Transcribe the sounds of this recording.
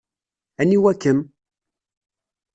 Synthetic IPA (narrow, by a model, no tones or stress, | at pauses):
æniwækːəm